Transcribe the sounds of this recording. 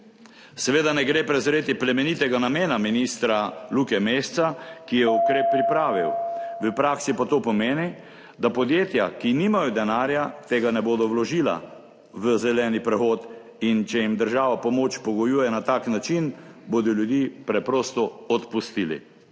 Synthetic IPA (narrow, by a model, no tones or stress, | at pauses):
sɛʋeːd̪anɛɡɾeːpɾɛzɾeːt̪iplɛmɛnit̪ɛɡanameːnaminist̪ɾaluːkɛmeːst̪sakijɛukɾeːpːɾipɾaːʋiwʋəpɾaːksipat̪oːpɔmeːni | d̪apɔd̪jeːt̪ja̰kiniːmajɔd̪ɛnaːɾjat̪eːɡanɛboːd̪ɔwlɔʒiːla̰ | ʋəzɛlɛːnipɾɛxoːt̪ | int͡ʃɛjimd̪əɾʒaːʋapɔmoːt͡ʃpɔɡɔjujɛnat̪aknat͡ʃinboːd̪ɔljud̪jiːpɾɛpɾoːst̪ɔɔt̪pust̪iːlḭ